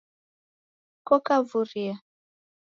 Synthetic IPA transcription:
kɔkavuɾia

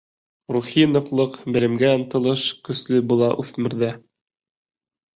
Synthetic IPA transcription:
ruχinɤ̆qlˠɤqbɘ̆lɘ̆mɡæɤ̆nt̪ɤ̆lˠɤʃkɵ̆slɘbulˠɑʔʉθmɘ̆ɾðæ

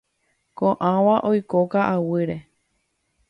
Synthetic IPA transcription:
kõʔãwaʔojkokaʔawɨɾe

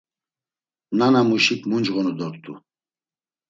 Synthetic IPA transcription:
nanamuʃikʰmund͡ʒʁɔnɔd̪ɔɾt̪ʰṵ

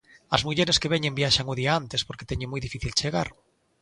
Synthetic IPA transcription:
azmuʎeɾeskeβ̞eɲẽmbjaʃaŋuðiaant̪espoɾke̥t̪eɲomujðifiθilt͡ʃeɣa̰ɾ

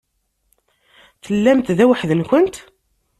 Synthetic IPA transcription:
θəlːæmt̪ðæwəħðənkənt̪

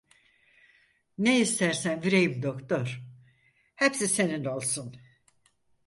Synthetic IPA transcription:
neist̪æɾsænviɾe̞jimd̪okt̪oɾ̥ | hɛpsise̞ninolˠsun

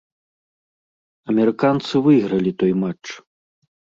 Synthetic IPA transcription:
ɐmʲɛɾɨkant̪sɨvɨjɣɾɐlʲit̪ɔjmat͡ʂ

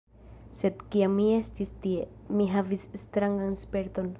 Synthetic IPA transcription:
sed̪kiamːiest̪ist̪iemiɦavisst̪ɾaŋɡanspe̞ɾt̪o̞n

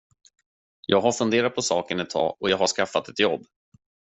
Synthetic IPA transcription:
jʔɑːɡɦhaɾfɵnd̪eːɾat̪̚pʰɔsɑːkənɛt̪ʰːɑ̰ːʔɔjɑːɡhaʂkafːat̪ɛt̪jɔbː

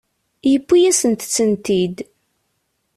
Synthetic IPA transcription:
jəpːijæsənt̪t͡sːənt̪id̪

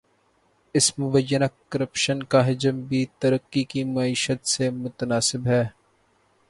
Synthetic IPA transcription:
ɪsmʊbəjːənakəɾəpʃənkaɦɪd͡ʒəmbʱit̪əɾəqːikimɐiːʃət̪semʊt̪ənaːsɪbɦɛː

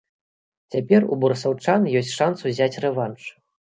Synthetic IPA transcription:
t͡sʲapʲɛrṵbuɾɐsawt͡ʂanjɔsʲtʲʂansuzʲat͡sʲrɛvant͡ʂʂ

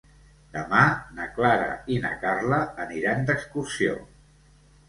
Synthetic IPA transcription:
d̪əmanəklaɾə̰inə̰karləːniɾand̪əkskursio̰

